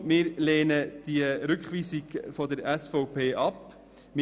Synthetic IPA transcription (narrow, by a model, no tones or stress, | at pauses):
mɪːɾleːnəd̪̥iəɾʏkχʋiːsiɡfɔd̪əɾæsfɔʊpʰeːʔɑp | mɪ